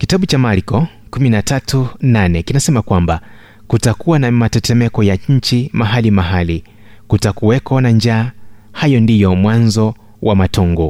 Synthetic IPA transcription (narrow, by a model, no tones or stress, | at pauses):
kitaɓut͡ʃamaɾikɔ | kuminatatunanɛkinasɛmakwamba | kutakuwanamatɛtɛmɛkɔjaɲ̩t͡ʃimaɦalimaɦali | kutakuwɛkwanand͡ʒaːhajɔndijɔmwanzɔ | wʔamatɔŋɡɔ